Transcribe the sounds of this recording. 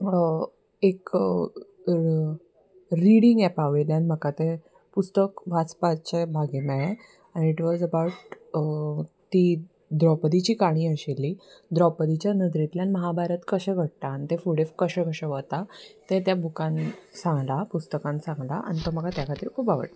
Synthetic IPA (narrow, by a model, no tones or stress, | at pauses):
ek | ɾiɽiŋɡɛpaʋeljãnim̤əkat̪e | pust̪əkʋat͡spat͡ɕebʱaɡema | aniʈʋɔzəbawʈ | t̪i | d̪ɾɔpəd̪it͡ɕiːkaɽ̃iːəɕelːiːd̪ɾɔpəd̪it͡ɕjanəd̪ɾit̪ljanməɦabaɾət̪kəɕɛɡʱəɽ̚t̪aːnt̪efuɽefkəɕɛ̃kəɕɛʋət̪at̪et̪̬jabʱukãnsãŋɡlapust̪əkãnsãŋɡla̰ʔa̰nit̪om̤əɡat̪jakʰat̪iːɾkʰuːpaʋə̰ʈ